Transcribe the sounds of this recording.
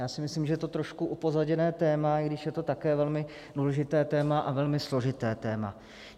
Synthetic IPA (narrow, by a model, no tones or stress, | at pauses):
jaːsɪmɪsliːmʒɛjɛt̪ot̪ɾoʃkuʔupo̞zaɟɛnɛːt̪ɛːmaɪɡdɪʃjɛt̪o̞t̪akɛːvɛlmɪ | duːlɛʒɪt̪ɛːt̪ɛːmaʔavɛlmɪslo̞ʒɪt̪ɛːt̪ɛːma̰